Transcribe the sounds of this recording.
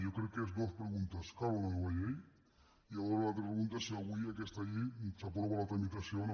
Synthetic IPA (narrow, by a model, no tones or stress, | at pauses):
jokɾekeezd̪o̞spɾeɣunt̪askaɾonaðeβajej | iaoɾalat̪ɾepɾeɣunt̪asilaɣijakest̪aːʎisapɾoβalat̪ɾamit̪asjona